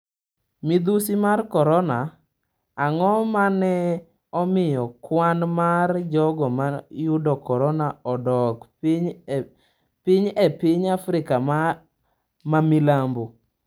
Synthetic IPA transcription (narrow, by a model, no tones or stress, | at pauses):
mid̪usimarkɔɾɔnaː | ŋɔmanɛ | ɔmɪjɔkwanmard͡ʒɔɡɔmajʊdɔkɔɾɔnaɔdɔkɲ | pɪɲɛpɪɲafɾɪkam | mamilambo